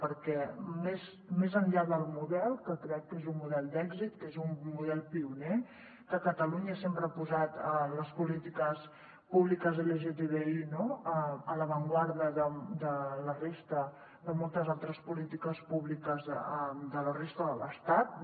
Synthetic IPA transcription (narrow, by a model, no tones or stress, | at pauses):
pəɾkɛmez | mezənʎaðəlˠmuðɛlˠkəkɾɛkːezummuðɛlˠd̪ɛɡzit̪kezummuðɛlˠpiune | kəkət̪əluɲəsempɾəapuzat̪ələspulit̪ikəs | puβlikəzeleʒet̪eβeinoəələβəŋɡwaɾðəðəd̪ələrest̪ə | ðəmolˠt̪əzalˠt̪ɾəspulit̪ikəspuβlikəzəd̪ələrest̪əðələ̰st̪at̪̚